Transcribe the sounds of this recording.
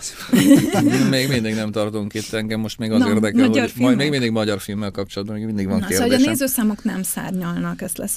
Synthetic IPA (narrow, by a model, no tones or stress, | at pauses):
meːɡmind̪iɡnɛmt̪ɒrt̪uŋkit̪ːɛŋɡɛmːo̞ʃt̪meːɡɒeːrd̪ɛkɛlorimeːɡmind̪iɡmɒɟɒrfilmːɛlkɒp̚t͡ʃolɒd̪̚bɒmeːɡmind̪iɡvɒŋkeːrdoeːʃneːzøːsaːmo̞knɛmsa̰ːrɲɒlnɒkɛst̪lɛs